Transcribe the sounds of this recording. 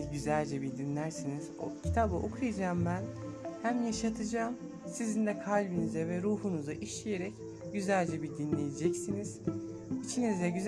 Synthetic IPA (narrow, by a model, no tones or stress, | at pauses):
zɟyzælʲd͡ʒɛbid̪inlʲæɾsiniz̥ocʰi̥t̪ʰabɯʔokʰɾjad͡ʒaːmbænhæmjaʃat̪ʰɯd͡ʒaːm | sizind̪ɛkʰalʲbinizɛvɛɾuːhunuzaʔiʃlʲijeɾɛc | ɟyzælʲd͡ʒɛbid̪inlʲejed͡ʒɛcsiniz̥it͡ʃʰinizd̪ɛɟyz